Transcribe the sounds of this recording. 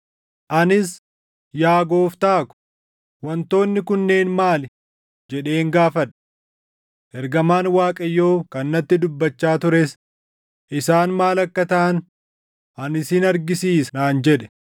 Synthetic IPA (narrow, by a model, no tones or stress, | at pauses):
ʔɐnɪs | jaːɡo̞ːft̪aːkʊ̥ | wɐnt̪o̞ːnːɪkʊnːe̞ːnmaːl | d͡ʒɛᶑe̞ːŋɡaːfɐᶑɐ | ʔɛɾɡɐmaːnwaːkʼɐjːo̞ːkɐnːɐt̪ːɪd̪ʊbːɐt͡ʃːaːt̪ʊɾes | ʔɪsaːnmaːlɐkːɐt̪ɐʔɐn | ʔɐnɪsɪnɐɾɡɪsiːsnaːnd͡ʒɛᶑɛ̥